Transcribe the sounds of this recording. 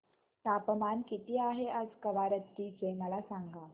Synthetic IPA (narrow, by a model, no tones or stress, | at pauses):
t̪apəmankit̪iːaɦeəd͡zkəʋaɾət̪ːiːt͡seməlasaŋɡa